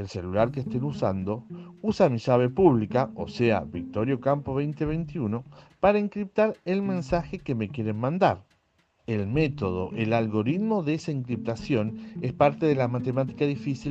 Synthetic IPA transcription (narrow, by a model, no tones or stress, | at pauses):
else̞lulaɾkest̪enusand̪o̞usamiʃaβ̞epuβ̞likao̰sea̰βik̚t̪o̞ɾjo̞kampoβ̞ejnt̪eβejnt̪iuno̞paɾaiŋkɾip̚t̪aɾelmẽ̞nsaxekemekje̞ɾenmãnd̪aɾ | elmet̪o̞ðo̞̰ʔelalɣo̞ɾit̪moðeesaiŋkɾip̚t̪asjo̞nespaɾt̪eðelamat̪emat̪i̥kaðifisi